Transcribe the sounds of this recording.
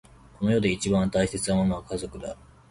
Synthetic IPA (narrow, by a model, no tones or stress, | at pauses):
ko̞no̞jo̞d̪e̞it͡ɕibãnt̪aise̞t͡sɨnamo̞no̞βakazo̞kɯ̟d̪a